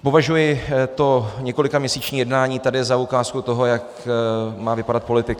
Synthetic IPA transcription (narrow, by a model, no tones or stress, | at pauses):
po̞vaʒujɪt̪o̞ɲɛko̞lɪkamɲɛsiːt͡ʃɲiːjɛdnaːɲiːt̪adɪɛzaukaːskut̪o̞ɦo̞jak | maːvɪpadat̪̚po̞lɪt̪ɪk